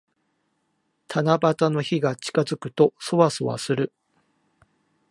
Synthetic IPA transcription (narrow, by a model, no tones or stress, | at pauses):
t̪ʰanabat̪ano̞çiɡat͡ɕi̥kazɨkɯ̟̥t̪o̞so̞βasoβa̰sɨɾɯ̟